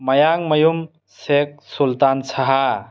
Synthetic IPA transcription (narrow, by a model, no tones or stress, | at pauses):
mɐjaŋmɐjum | sek̚sult̪ansaɦa